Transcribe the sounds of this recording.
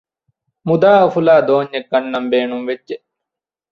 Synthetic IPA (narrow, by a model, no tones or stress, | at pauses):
mud̪aːɐfulaːd̪oːɲːek̚ːɐnːɐmbeːnumʋett͡ʃːe